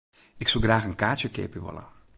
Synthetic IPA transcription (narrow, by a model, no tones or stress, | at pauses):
ɪksulˠɡraːxənkaːtjəkḛːpəʋɔ̰lə̰